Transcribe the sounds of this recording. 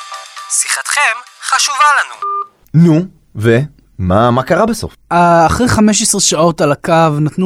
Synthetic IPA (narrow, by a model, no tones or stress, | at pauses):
siχat̪χe̞mχaʃuvalanu | nu | ve | mamakaʁabeso̞̰faːχʁejχame̞ʃesʁeʃao̞talakavnatnu